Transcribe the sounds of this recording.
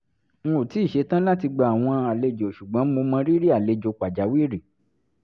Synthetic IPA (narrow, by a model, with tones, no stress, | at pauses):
ŋ̩̃˦o˨ti˨˦i˦˨ʃe˨˧˦tã˦la˦ti˧ɡ͡ba˧˨a˨w̃ɔ̃˧a˨le˧d͡ʒo˨ʃu˨ɡ͡bɔ̃˨˦mo˧mã˧ɾi˦ɾi˦a˨le˨˧d͡ʒo˨k͡pa˨d͡ʒa˨˦wi˦˨ɾi˨